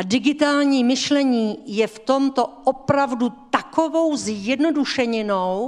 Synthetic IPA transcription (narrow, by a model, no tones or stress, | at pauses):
dɪɡɪt̪aːlɲiːmɪʃlɛɲiːjɛft̪o̞mt̪o̞ʔopɾavdut̪ako̞vo̞wzjɛdno̞duʃɛɲɛnow